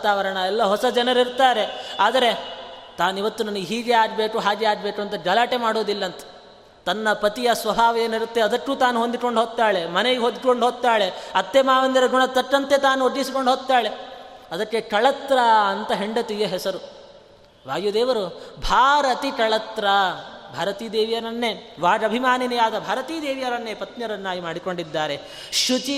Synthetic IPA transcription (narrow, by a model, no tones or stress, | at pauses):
t̪aːʋɐɾɐɳɐɛlːɐɦɔsɐd͡ʒɐnɐɾiɾt̪aːɾe̞aːd̪ɐɾe̞t̪aːnuiʋɐt̪ːunɐnɐɡeɦiːɡeaːɾbe̞ːkuɦaːɡeaːɖbe̞ːkuɐnt̪ɐd͡ʒɐlaːʈemaːɽoːd̪ilːɐːnt̪ɐ̥ | t̪ɐnːɐpɐt̪ijɐsʋɐbʱaːʋɐjeːniɾut̪ːe̞ɐd̪ɐʈːuːt̪aːnuɦond̪iʈko̞ɳɖɦoːt̪ːaːɭe̞mɐneɡeɦod̪iʈkoɳɖɦoːɡ̚t̪ːaːɭe̞ɐt̪ːemaːʋɐnd̪iɾɐɡuɳɐt̪ɐʈːɐnt̪e̞t̪aːnuoɖ̪ːisiko̞ɳɖʱɦoːɡ̚t̪ːaːɭe̞ɐd̪ɐʈːekɐɭɐt̪ɾɐɐnt̪ɐɦeɳɖɐt̪iɡeɦɛsɐɾu | ʋaːjud̪ɛːʋɐɾubʱaːɾɐt̪ikɐɭɐt̪ɾɐbʱaːɾɐt̪iːd̪eːʋijɐɾɐnːeʋaːɐbʱimaːninijaːd̪ɐbʱaːɾɐt̪iːd̪eːʋijɐɾɐnːeːpɐt̪ɲɐɾɐnːaːjimaːɽiko̞ɳɖid̪ːaːɾe̞ | ʃut͡ʃi